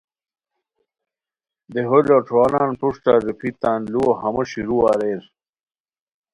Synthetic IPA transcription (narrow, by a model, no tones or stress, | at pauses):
d̪eɦoloʈ͡ʂʰoːnaːnpuʂʈaːzipʰit̪aːnluoɦɐmɐɕiɾuaːɾeːɾ